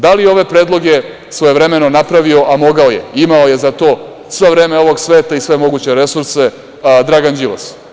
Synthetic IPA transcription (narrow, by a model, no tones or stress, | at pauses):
d̪alijeo̞ʋe̞pɾeːd̪lˠo̞ɡe | sʋojeʋɾemeno̞napɾaʋio̞ʔamo̞ɡaojḛimaoje̞zat̪o̞ː | sʋe̞ʋɾeːmeo̞ʋo̞ɡsʋe̞ːt̪aisʋe̞mo̞ɡuːt͡ɕe̞ɾe̞suɾse | d̪ɾaɡand͡ʑiʋo̰s